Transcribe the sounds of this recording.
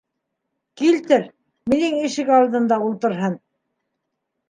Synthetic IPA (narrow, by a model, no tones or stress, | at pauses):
kilt̪ɘɾ | minɘŋɘ̆ʃɘ̆ɡɘɑlˠd̪ɤ̆nd̪ɑulˠt̪ɤ̆ɾɦɤn